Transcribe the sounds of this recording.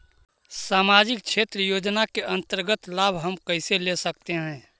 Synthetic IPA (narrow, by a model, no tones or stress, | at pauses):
saːmaːd͡ʒɪk̚t͡ʃʰeːt̪ɾəjoːd͡ʒnakeʔə̃nt̪əɾɡət̪laːbʱɦəmkəɪselesək̚t̪eɦɛ̃ː